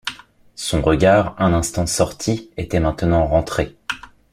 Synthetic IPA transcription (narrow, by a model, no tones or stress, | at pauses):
sɔ̃ʁəɡʲaʁɛ̃nɛ̃st̪ɑ̃sɔʁt̪ʰiet̪ɛmɛ̃t̪nɑ̃ʁɑ̃t̪χe